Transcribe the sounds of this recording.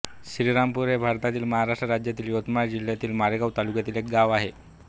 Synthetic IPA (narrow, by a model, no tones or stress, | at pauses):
ɕɾiɾampuɾebʱaɾt̪at̪iːlməɦaɾaʂʈɾəɾad͡ʑjat̪iːljot̪maɾd͡ʑil̤jat̪iːlmaɾeɡawt̪alukjat̪iːlek̚ɡaʋaɦe